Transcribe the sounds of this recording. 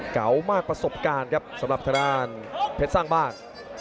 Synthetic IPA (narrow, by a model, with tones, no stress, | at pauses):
kʰa̰˩˦wmaː˥˩k̚pɾa˧so˨˩p̚kaː˧nkʰa˦˥p̚sa˩˦mɾa˨˩t̪ʰa˧ɾaː˧˩npʰe˦˥t̪̚saː˥˩ŋbaː˥˩ŋ